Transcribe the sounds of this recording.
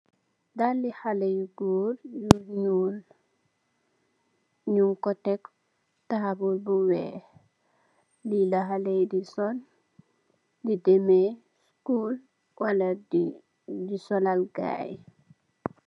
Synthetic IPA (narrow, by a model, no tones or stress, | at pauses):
dalːihalejɡoːɾjuɲul | ɲuŋkɔtɛk | tahabulbuwɛ | lilaɦalejdisɔn | didɛmɛ | skul | wala | disɔlalɡa̰ːj